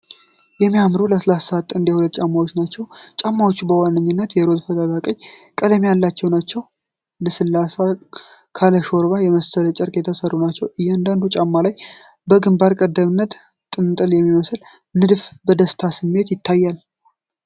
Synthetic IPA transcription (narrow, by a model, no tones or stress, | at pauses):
jɛmːijamɾoləslassəat̪ːɨnd̪jɛhulət̪̚ːt͡ʃʼamːawo̞t͡ʃːnat͡ʃːɛwt͡ʃʼamːawo̞t͡ʃːubəwanːɨɲːɨnːət̪jɛɾo̞t̪fət̪ʼat̪ʰakʼəɲkʼələmjalːat͡ʃːɛwnat͡ʃːɛw | ləsɨlːasakʰaləʃo̞ɾβajɛməsələt͡ʃʼəɾkʼɛt̪ʰəsərːunat͡ʃːɛwʔɨjːɛand̪and̪ut͡ʃʼamːalaj | bəɡɨmbaɾkʼəd̪ːəmɨnːət̪ | t̪ʼːɨnt̪ʼɨljɛmːiməsl | nɨd̪fbəd̪əst̪ʰasɨmːe̞t̪jɪt̪ʰːajːal